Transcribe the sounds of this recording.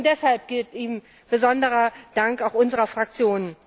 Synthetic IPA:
ntd̥ɛshalp̚ɡ̥ɪltiːm | b̥əzɔndəʁɐd̥aŋkaʊxʔʊnzəʁɐfʁ̥ak̚t͡sjoːnən

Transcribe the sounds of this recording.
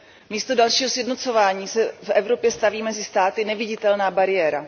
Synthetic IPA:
miːst̪odalʃiːɦosjɛdnot͡so̞vaːɲiːsɛfʔɛvɾo̞pjɛst̪aviːmɛzɪst̪aːt̪ɪnɛvɪɟɪt̪ɛlnaːbaɾɪjɛːɾa

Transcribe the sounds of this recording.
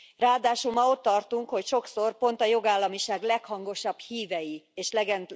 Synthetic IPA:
raːd̪aːʃulmɒo̞t̪ːɒrt̪uŋkho̞cʃo̞kso̞rpo̞nt̪ɒjo̞ɡaːlːɒmiʃaːɡlɛkhɒŋɡo̞ʃɒbhiːvɛjieːʃlɛɡɛnt̪

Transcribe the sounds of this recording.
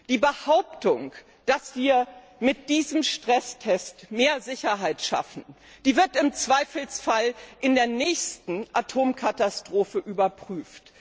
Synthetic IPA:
d̥iːbəhaʊptʊŋ | d̥asv̥iːɐ | mɪt̚d̥iːzəmʃtʁ̥ɛstʰɛstmeːɐzɪçɐɦaɪtʃa̰fn̩ | d̥iːvɪɐtɪmt͡sv̥aɪfl̩sfalʔɪndeːɐnɛːçstn̩ʔatʰoːmkʰatastʁ̥oːfəʔyːbɐpʁ̥yːft

